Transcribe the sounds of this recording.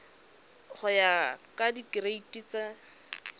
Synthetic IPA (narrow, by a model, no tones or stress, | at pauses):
χʊjakʼadikɪreitʼit͡sa